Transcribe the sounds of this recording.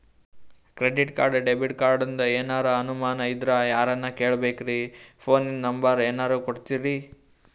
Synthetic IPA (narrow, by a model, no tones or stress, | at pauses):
kɾeɖiʈkaːɾɖɖebiʈkaːɾɖɐnd̪ɐeːnaːɾɐɐnumaːnɐid̪ɾɐjaːɾɐnːɐke̞ːɭbeːkɾipʰoːninnɐmbɐɾeːnaːɾuːkoɽt̪iɾi